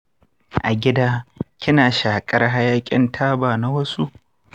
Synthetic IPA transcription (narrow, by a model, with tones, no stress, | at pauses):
ʔa˨ɡʲɪ˦daː˦kʲɪ˦naː˨ʃaː˨kʼɐ˦rɦa˦jaː˦kʲʼɪ̰˦ntʰaː˦baː˨na˦wɐ˦su˦ʔ